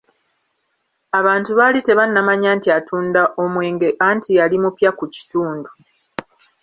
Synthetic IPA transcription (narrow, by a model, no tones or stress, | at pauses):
aβaːntuβalite̞βanːamaɲaːntiatʰuːndaʔo̞mwe̞ːŋɡe̞ʔaːntʰialimupjakuci̥tuːndu